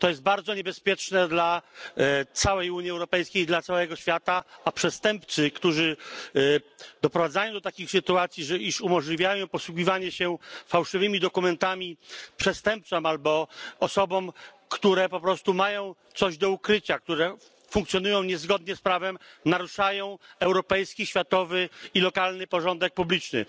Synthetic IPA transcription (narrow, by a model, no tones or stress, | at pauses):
t̪ɔjɛst̪̚baɾd̪zɔɲɛbɛspʲjɛt͡ʂnɛd̪la | t̪sawɛjuɲiɛwɾɔpɛjskʲejd̪lat̪sawɛɡɔɕfʲjat̪aapʂɛst̪ɛmp̚t̪sɘkt̪uʐɘ | d̪ɔpɾɔvad̪zajɔ̃w̃d̪ɔt̪akʲixsɘt̪uat̪sʲjiʐɛiʂumɔʐlʲivʲjajɔ̃w̃pɔswuɡʲivaɲɛɕɛfawʂɘvɘmʲid̪ɔkumɛnt̪amʲipʂɛst̪ɛmp̚t̪sɔmalbɔɔsɔbɔm | kt̪uɾɛpɔpɾɔst̪umajɔ̃w̃t̪sɔʑd̪ɔukɾɘt͡ɕak̚t̪uɾɛ | fuŋk̚t̪sʲjɔnujɔ̃w̃ɲɛzɡɔd̪̚ɲɛspɾavɛmnaɾuʂajɔ̃w̃ɛwɾɔpɛjskʲiɕfʲjat̪ɔvɘilɔkalnɘpɔʐɔnd̪ɛk̚publʲit͡ʂnɘ̰